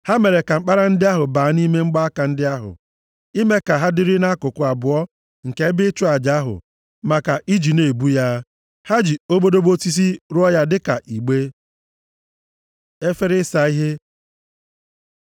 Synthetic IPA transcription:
ha˦me˨ɾe˨ka˨ŋ͡m̩˦k͡pa˦ɾa˦n̩˦dɪ˦a˦ɦʊ˨baː˨˦ni˦me˦ŋ͡m̩˦ɡ͡ba˦a˦ka˨n̩˦dɪ˦a˦ɦʊ̰˨ | i˦me˦ka˨ɦa˦dɪ˦ɾɪ˦na˦kʊ˨kʊ˨a˨bʊ˨ɔ˦ | ŋ̩˨ke˦bɪ˦t͡ʃʊ˦a˨d͡ʒa˦ɦʊ̰˨ | ma˨ka˨ʔi˦d͡ʒi˨ne˨bu˦ja˦ | ha˦d͡ʒi˨o˦bo˦do˦bo˦ti˦s̬i˦ɾʊ˦ɔ˦ja˦dɪ˦ka˨ʔi˨ɡ͡be˦ | e˦fe˦ɾɪ˦sa˨i˦ɦe˦

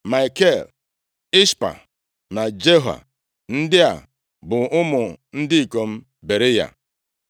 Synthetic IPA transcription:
ma˨jke˦˨l | ɪ˦spa̰˨ | na˨d͡ʒe˦ɦa̰˨ | n̩˦dɪ˦a̰˨ | bʊ˨ʊ˦mʊ˨n̩˦dɪ˦i˨ko˨m̩˦ | be˨ɾɪ˦ja̰˦

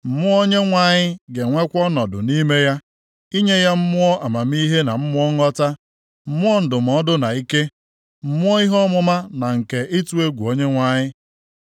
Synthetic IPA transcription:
m̩˨mʊ˦o˦ɲe˦ŋʷa˦˨ɲɪ˦ɡe˨ŋʷe˦kʷɔ˦nɔ˨dʊ̰˨ni˦me˦ja˦ | i˦ɲe˦ja˦m̩˦mʊ˦ɔ˦ʔa˨ma˨m̩˦i˦ɦe˦na˨m̩˦mʊ˦ɔ˦ŋɔ˦ta˦ | m̩˦mʊ˦ɔ˦n̩˨dʊ˨m̩˨ɔ˦dʊ˦na˨i˦ke˦ | m̩˦mʊ˦ɔ˦i˦ɦɔ˦mʊ˦ma˦na˨ŋ̩˨ke˨ʔi˦tu˦e˦ɡʷu˨o˦ɲe˦ŋʷa˦ɲɪ˦

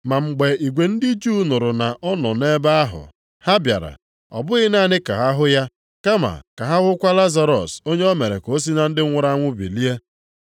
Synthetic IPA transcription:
ma˨ŋ͡m̩˨ɡ͡be˨i˨ɡʷe˨n̩˦dɪ˦d͡ʒu˦nʊ˨ɾʊ˨na˨ʔɔ˦nɔ˨ne˦ba˦a˦ɦʊ̰˨ | ha˦bja̰˨ɾa̰˨ | ɔ̰˨bʊ˦ɣɪ˦na˦˨nɪ˦ka̰˨ɦa˦ɦʊ˦ja˦ | ka˦ma̰˨ka˨ɦa˦ɣʊ˦kʷa˦la˦za˨ɾɔ˨so˦ɲe˦ɔ˦me˨ɾe˨ko˦s̬i˦na˨n̩˦dɪ˦ŋʷʊ˦ɾa˦ŋʷʊ˦bḭ˨li˦e˦

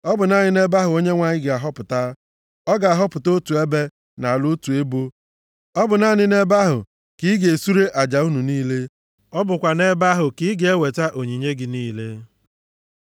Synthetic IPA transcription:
ɔ˦bʊ˨na˦ɲɪ˦ne˦ba˦ɦʊ˨o˦ɲe˦ŋʷa˨ɲɪ˦ɡɪ˨a˨ɦɔ˦pʊ˨ta˦ | ɔ˦ɡa˨a˨ɦɔ˦pʊ˨to˦tu˨e˦be˦ | na˨lʊ˦tu˨e˦bo˦ | ɔ˦bʊ˨na˦ɲɪ˦ne˦ba˦ɦʊ̰˨ | ki˦ɡe˨su˦ɾe˦ʔa˨d͡ʒa˨u˦nu˨niː˦le˦ | ɔ˦bʊ˨kʷa˨ne˦ba˦ɦʊ˨ki˦ɡe˨e˦we˨ta˦ʔo˨ɲi˨ɲe˦ɡɪ˨niː˦le˦

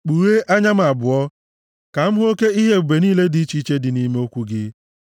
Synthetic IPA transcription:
k͡pu˨ɾe˦ʔa˦ɲa˦m̩˦˨a˨bʊ˨ɔ˦ | ka˨m̩˦ɦo˦ke˦i˦ɦe˦u˨be˨niː˦le˦di˨˦t͡ʃi˦t͡ʃe˦dɪ˨ni˦me˦o˦kʷu˦ɡɪ˦

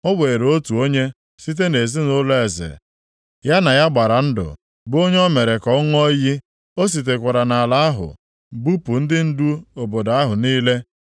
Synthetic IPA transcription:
ɔ˦we˨ɾo˦tu˨o˦ɲe˦ | si˦t̬e˦ne˨zi˦no˦le˨zɪ̰˨ | ja˦na˨ja˦ɡ͡ba˨ɾa˨n̩˦dʊ̰˨ | bo˦ɲ˦ɔ˦me˨ɾe˨kɔ˨˦ŋ˦ɔ˦ji˦ | o˦s̬i˨t̬e˨kʷa˨ɾa˨na˨la˦a˦ɦʊ̰˨ | bu˦pu˨n̩˦dɪ˦n̩˦du˦o˨bo˨da˦ɦʊ˨niː˦le˦

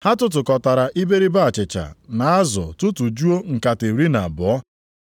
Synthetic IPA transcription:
ha˦tʊ˦t̬ʊ˨kɔ˨ta˨ɾa˨ʔi˦be˦ɾi˦ba˦˨t͡ʃɪ˨t͡ʃa̰˨na˨a˦zɔ̰˨tʊ˦tʊ˨d͡ʒu˦o˦ŋ̩˨ka˨te˨ɾi˦na˨bɔ˨ɔ˦

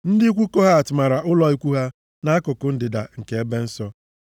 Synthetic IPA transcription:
n̩˦dɪ˦kʷu˦ko˦ɦa˦˨tʊ˨ma˨ɾa˨ʔʊ˦lɔ˦i˦kʷu˦ɦa˦ | na˦a˦kʊ˨kʊ˨n̩˦dɪ˨da̰˨ŋ̩˨ke˨e˦be˦n̩˦sɔ˦

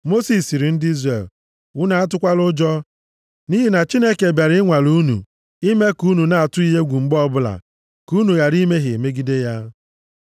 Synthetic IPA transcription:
mo˦si˨si˨ɾi˨n̩˦di˦zre˨l | wʊ˦na˨a˦t̬ʊ˦kʷa˦lʊ˦d͡ʒɔ˦ | ni˦ɦi˨na˨t͡ʃi˦ne˦ke˨bja˨ɾɪ˦ɪ˦ŋʷa˨lu˦nṵ˨ | i˦me˦ku˦nu˨na˨a˨tʊ˦i˦ɦe˦ɡʷu˨ŋ͡m̩˨ɡ͡bɔ˦bʊ˦la̰˨ | ku˦nu˨ɣa˨ɾi˦me˦ɦɪ˨e˨me˦ɡi˦de˦ja˦

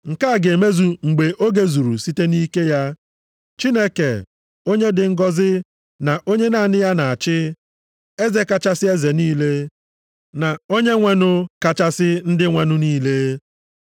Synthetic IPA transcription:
ŋ̩˨ka˦˨ɡe˨me˦zu˨ŋ͡m̩˨ɡ͡be˨ʔo˦ɡe˦zu˨ɾṵ˨si˦te˦ni˦ke˦ja˦ | t͡ʃi˦ne˦kḛ˨ | o˦ɲe˦dɪ˨ŋ̩˦ɡɔ˦zɪ˦ | na˨ʔo˦ɲe˦na˦˨nɪ˦ja˦na˨a˨t͡ʃɪ˦ | e˦ze˨ka˨t͡ʃa˦sɪ˦e˦ze˨niː˦le˦ | na˨o˦ɲe˦ŋʷe˦nʊ˦ka˨t͡ʃa˦sɪ˦n̩˦dɪ˦ŋʷe˨nʊ˦niː˦le˦

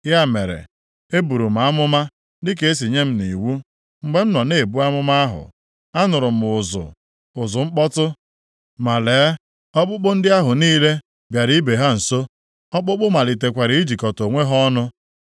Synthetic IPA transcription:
ja˦˨me˨ɾḛ˨ | e˦bu˨ɾu˨m̩˨a˨˦mʊ˦ma˦ | dɪ˦k̬e˨˦e˦s̬i˨ɲe˦m̩˦ni˨wu˦ | ŋ͡m̩˨ɡ͡be˦m̩˦nɔ˨ne˦˨bu˦a˦mʊ˦ma˦ɦʊ̰˨ | a˦nʊ˨ɾʊ˨m̩˨ʊ˨zʊ̰˨ | ʊ˨zʊ˨ŋ͡m̩˦k͡pɔ˦tʊ˦ | ma˨leː˨˦ | ɔ˦k͡pʊ˦k͡pʊ˦n̩˦dɪ˦a˦ɦʊ˨niː˦le˦ | bja˨ɾi˦be˨ɦa˦n̩˨so˦ | ɔ˦k͡pʊ˦k͡pʊ˦ma˨li˨t̬e˨kʷa˨ɾi˨i˦d͡ʒi˨kɔ˨to˨ŋʷe˦ɦɔ˦nʊ˦

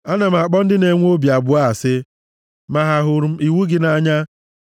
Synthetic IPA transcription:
a˦na˨m̩˨a˨k͡pɔ˦n̩˦dɪ˦ne˨ŋʷ˦o˦bi˨a˨bʊ˨a˦a˨sɪ˦ | ma˨ɦa˨ɦʊ˨ɾi˨wu˦ɡɪ˦na˨ɲa˦

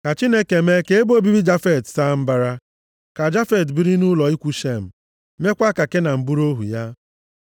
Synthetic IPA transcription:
ka˨t͡ʃi˦ne˦ke˨me˦ke˦e˦bo˦bi˦bi˦d͡ʒa˦fe˨tsa˦˨m̩˦ba˦ɾa˦ | ka˨d͡ʒa˦fe˨tbi˦ɾi˦nu˦lɔ˨i˦kʷu˦ʃe˦˨m̩˨ | me˦kʷa˦ka˨ke˦na˨m̩˨bu˦ɾo˦ɦṵ˨ja˦

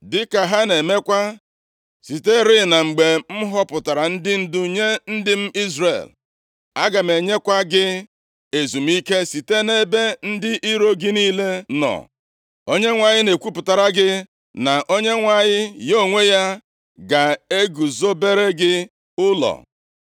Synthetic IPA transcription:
dɪ˦ka˨ɦa˦ne˨me˦kʷa˦ | si˨te˦ɾɪ˦na˨ŋ͡m̩˨ɡ͡be˨m̩˦ɦɔ˦pʊ˨ta˨ɾa˨n̩˦dɪ˦n̩˦˨du˦ɲe˦n̩˦dɪ˦m̩˦i˦zrḛ˨l | a˦ɡa˨me˨ɲe˦kʷa˦ɡɪ˦ | e˨zu˨m̩˦i˦ke˦si˨te˦ne˦be˦n̩˦dɪ˦ʔi˦ɾo˦ɡɪ˦niː˦le˦nɔ̰˨ | o˦ɲe˦ŋʷa˨ɲɪ˦ne˨kʷu˦pʊ˨ta˨ɾa˦ɡɪ˦ | na˨ʔo˦ɲe˦ŋʷa˨ɲɪ˦jo˦˨ŋʷe˦ja˦ | ɡa˨e˦ɡu˨zo˦be˦ɾe˦ɡɪ˦ | ʊ˦lɔ̰˨

